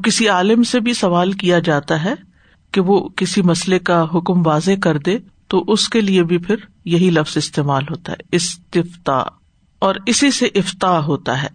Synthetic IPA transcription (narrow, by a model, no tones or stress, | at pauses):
kɪsiaːlɪmsebʱisɐʋaːlkijad͡ʒaːt̪aɦɛː | keʋokɪsimɐslekaɦʊkmʋaːzekɐɾd̪ẽː | t̪oʔʊskeliebʱipʰɪɾ | jɐɦilɐfz̥ɪst̪eːmaːlɦoːt̪a̰ɦɛ̰ɪst̪ɪft̪a̰ː | ɔːɾɪsiseʔɪft̪aːɦoːt̪a̰ɦɛ̰ː